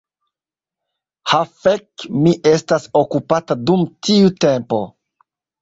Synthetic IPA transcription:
hafekmiʔe̞staso̞kupatadumtʰiute̞mpo̞

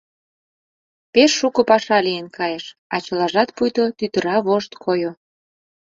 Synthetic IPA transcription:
peʃːukŏpɑʃɑlijenkɑjeʃɑt͡ɕɤ̆lɑʒɑt̪pujt̪ot̪yt̪ə̆ɾɑβoʃt̪kʰojo

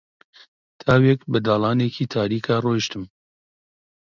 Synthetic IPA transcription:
t̪ʰaːwɛkbɨd̪aːlɑːneːkiːt̪ʰaːɾiːkʰɑːroːʃt̪ɨm

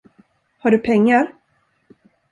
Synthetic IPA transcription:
haɖɵpʰɛŋːaɾ

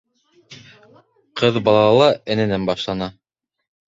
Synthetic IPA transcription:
qʰɤðbɑlˠɑlɑlˠɑʔɘ̆nɘ̆nænbɑʃlˠɑnɑ

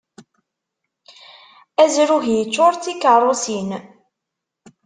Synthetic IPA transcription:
æzɾuʝjət͡sːoɾˤt͡sːikːərˤosin

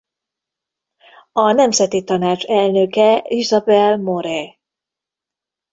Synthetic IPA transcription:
ɒnɛmzɛt̪it̪ɒnaːt͡ʃɛlnøkɛizɒbɛlmoɾɛ

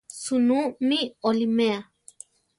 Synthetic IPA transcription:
sunumiolimea

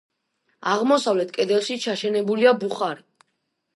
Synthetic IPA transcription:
aʁmɔsavlɛt̪̚ʰkʼɛd̪ɛlˠʃit͡ʃʰaʃɛnɛbuliabuχaɾi

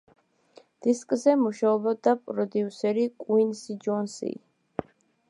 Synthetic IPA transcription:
d̪̥iskʼzɛmuʃaɔbɔd̪apʼɾɔd̪iusɛɾikʼwinsid͡ʒɔnsḭ

